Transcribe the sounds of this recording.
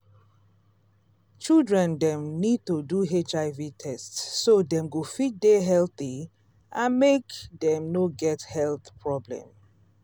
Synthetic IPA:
t͡ʃildɹɛ̃ndɛ̃mnid̚toduɦet͡ʃaɪvitʰɛstsːodɛ̃mɡofit̚deɦɛlθi | ʔãnmekd̪ɛ̃mnoɡɛthɛlθpʰɹɔblɛ̰̃m

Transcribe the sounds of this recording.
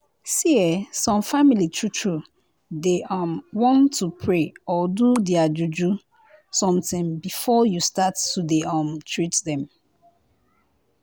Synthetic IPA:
siɛsɔ̃mfamilitʰɹutʰɹu | deʔɔmwɔ̃ntʰːupʰɹeɔdudɛad͡ʒud͡ʒu | sɔ̃mtĩmbifɔjustatːudeɔ̃mtʰɹitdɛ̃m

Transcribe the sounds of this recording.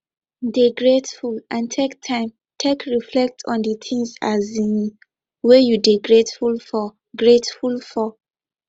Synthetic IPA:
deɡɹetfulʔãntʰektʰãɪ̃m | tʰekɹiflɛk̚tʰɔ̰̃ndət̪ʰĩŋsazĩn | wejudeɡɹetfulfɔ | ɡɹetfulfɔ

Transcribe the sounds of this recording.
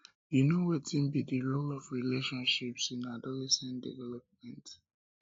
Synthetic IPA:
junowetʰĩnbidilolɔvɹileʃɔ̃nʃipsĩnadɔlɛsɛ̃ndḭvɛlɔp̚mɛ̃nt

